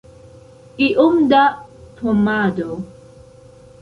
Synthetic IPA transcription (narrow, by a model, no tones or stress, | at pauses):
iʔumd̪at̪ʰomado